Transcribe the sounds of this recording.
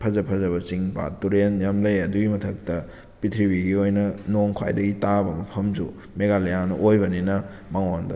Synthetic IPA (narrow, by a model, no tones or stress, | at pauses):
pʰɐzɐpʰɐzɐβɐsiŋpa̰tuɾenjamlɐjɐduɡimɐtʰɐk̚tɐ | pitʰɾibiɡiojnɐnoŋkʰa̰jdɐɡitabɐmɐpʰɐmd͡ʒṵ | meɡalejanɐʔojbɐninɐ | maŋandɐ̰